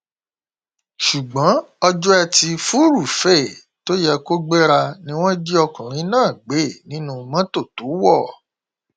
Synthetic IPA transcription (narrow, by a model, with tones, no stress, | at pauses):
ʃu˨ɡ͡bã˨˦ɔ˧d͡ʒɔ˦ɛ˧ti˧fu˦ɾu˦˨fɛ˦˨ | to˦jɛ˧ko˦ɡ͡be˦ɾa˧nĩ˦w̃ɔ̃˦di˦ɔ˧kũ˨ɾ̃ĩ˨˦nãː˦˨ɡ͡be˨˦˨nĩ˨˦nũ˧mã˦to˦˨to˨˦wɔ˦˨